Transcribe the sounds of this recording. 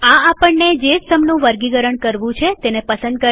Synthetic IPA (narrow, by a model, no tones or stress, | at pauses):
ãapəɳːed͡ʒesəmnũʋəɾɡiɡəɾəɳkəɾʋũt͡ʃʰet̪enepəsə̃nd̪̚kə